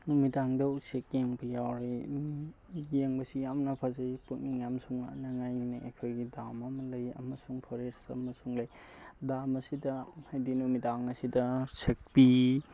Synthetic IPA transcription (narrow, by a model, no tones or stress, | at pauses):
numitaŋdɐusek̚jeŋbɐjawɾi | jeŋbɐsijamnɐpʰɐzajpuk̚niŋjamsuŋanɐŋajnaḛjkʰojɡidamɐmɐlɐjɐ̰mɐsuŋpʰoɾesɐ̰mɐsuŋlɐj | damɐsidɐhajdinumitaŋɐsidɐsek̚bi